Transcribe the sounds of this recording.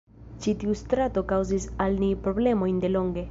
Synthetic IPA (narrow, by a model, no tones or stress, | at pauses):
t͡ʃit̪iust̪ɾat̪okawzisalnipɾoblemojnd̪eloŋɡe